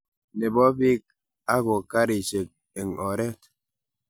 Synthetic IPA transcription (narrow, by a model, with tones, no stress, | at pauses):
ne˨bɔ˦bi˦k̚ | a˦ɣo˨ka˦ɾi˨t͡ʃe˨k̚ | e˨ŋɔ˨ɾɛ˦t